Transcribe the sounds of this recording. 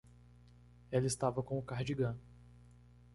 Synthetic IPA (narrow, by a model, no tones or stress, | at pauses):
ɛlɐist̪avɐkõʊkaɾd͡ʒiɡɐ̃